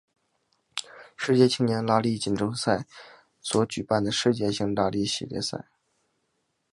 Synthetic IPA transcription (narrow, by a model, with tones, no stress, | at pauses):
ʂɻ̩˥˩t͡ɕjɛ˥˧t͡ɕʰi˥ŋnjɛ˧˥nla˥li˥˩t͡ɕi˨˩nʈ͡ʂʊ˥ŋsa˥˩ɪ | swɔ˧˥t͡ɕy˨˩pa˥˩nd̪ə˩ʂɻ̩˥˧t͡ɕjɛ˥˩t͡ɕʰi˧˥ŋla˥li˥˩ɕḭ˨˩ljɛ̰˥sa̰˥˩ɪ